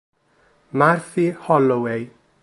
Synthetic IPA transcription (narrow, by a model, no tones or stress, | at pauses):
marθihɔlɔwej